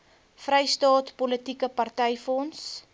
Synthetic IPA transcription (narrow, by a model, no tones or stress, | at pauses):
frɛjstɑːtpɔlətikəpɐrtɛjfɔns